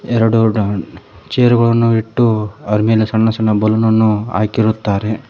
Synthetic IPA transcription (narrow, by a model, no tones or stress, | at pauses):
ɛɾɐɽu | t͡ʃeːɐɾuɡɐɭɐnːuiʈːuɐɾmeːlɐsɐɳːɐsɐnːɐbɐlunɐnːua̰ːkiɾut̪ːaːɾe